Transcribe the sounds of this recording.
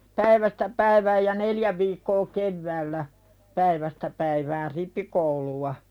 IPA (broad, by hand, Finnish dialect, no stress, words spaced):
pæiʋæstæ pæiʋæːj jɑ neljæ ʋiːkːoː keʋːæːlːæ pæiʋæstæ pæiʋæːr ripːikouluwɑ